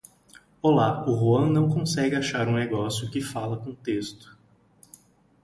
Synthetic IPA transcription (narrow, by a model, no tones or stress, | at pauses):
olaʊɦuɐ̃nɐ̃w̃kõsɛɡɪaʃaɾũneɡɔsjʊkɪfalɐkõt̪est̪ʊ̥